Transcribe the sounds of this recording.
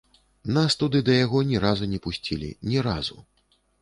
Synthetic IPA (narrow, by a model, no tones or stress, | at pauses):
nast̪ud̪ɨd̪ɐjaɣɔnʲɛɾazunʲɛpusʲt͡sʲilʲḭnʲɛɾazu